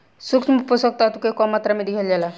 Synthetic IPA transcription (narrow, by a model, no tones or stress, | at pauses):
sukmuposɔk̚t̪at̪ukekɔmat̪ɾamed̪iɡʱeld͡ʑala